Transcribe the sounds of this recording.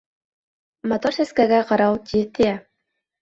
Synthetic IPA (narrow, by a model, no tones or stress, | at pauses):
mot̪oɾsæskæɡæqɑɾɑwt̪ʲit̪ɘjæ